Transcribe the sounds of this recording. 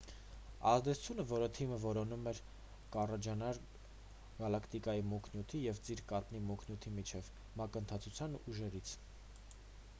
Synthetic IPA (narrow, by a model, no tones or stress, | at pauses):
ɑzd̪ɛt͡sʰu̥t͡sʰjunəvɔɾət̪ʰiməvɔɾɔnumɛɾ | kɑrɑd͡ʒɑnɑɾ | ɡ̥ɑlɑkʰt̪ikɑjimɔkʰnjut̪ʰijɛvt͡siɾkɑt̪nimɔkʰnjut̪ʰimit͡ʃʰɛv | mɑkənt̪ʰɑt͡sʰut͡sʰjɑnuʒɛɾit͡sʰ